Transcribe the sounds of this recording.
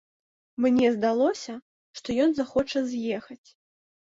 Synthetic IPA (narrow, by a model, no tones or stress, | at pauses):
mnʲɛzd̪alˠɔsʲɐ | ʂt̪ɔjɔnzaxɔt͡ʂɐzʲjɛxɐt͡sʲ